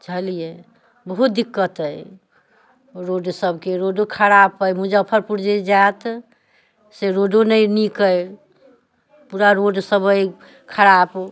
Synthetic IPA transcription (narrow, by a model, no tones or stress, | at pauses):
d͡ʒʱəlije | bəɦut̪̚d̪ikːət̪əj | ɾoɖsəbʱkeɾoɖokʰəɾapəjmud͡ʒəpʰəɾpuɾd͡ʒed͡ʒat̪ | seɾoɖonəjnikəj | puɾaɾoɖsəbəj | kʰəɾap